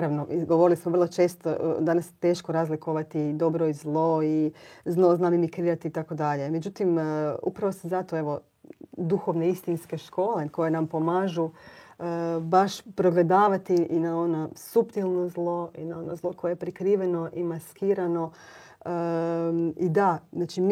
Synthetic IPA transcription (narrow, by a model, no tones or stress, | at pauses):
ɾaʋnoʔiɡoʋo̞ɾilismoʋr̩lˠot͡ʃe̞ːst̪o̰d̪anast̪e̞ːʃkoɾazlikoʋat̪id̪o̞bɾoizlˠo̞iznˠo̞znamimikɾiːɾat̪iːt̪ako̞d̪aʎe̞me̞d͡ʒut̪imṵpɾaʋo̞sazat̪o̞e̞ʋo̞ | d̪uxo̞ʋneist̪inske̞ʃko̞ːleko̞jenampo̞maːʒuəbaʃpɾo̞ɡle̞d̪aːʋat̪iʔinao̞nosupt̪ilˠnozlˠo̞inao̞nozlˠo̞kʰo̞jeepɾikɾiːʋeno̞ʔimaskiːɾano̞ | ə | id̪aznat͡ʃim